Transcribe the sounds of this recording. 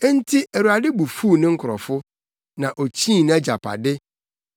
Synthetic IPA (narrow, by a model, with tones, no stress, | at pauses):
n̩˦tʰi˦ʔæ˨ɾu˨a˨dɪ˦bu˨fuː˦˨nɪ̃˦ŋ̩˦kʰʊ˨ɾɔ̰˨fʊ˦ | nã˨ʔo˨t͡ɕʰĩ˦˨nã˦d͡ʑa˨pʰa̰˨dɪ˦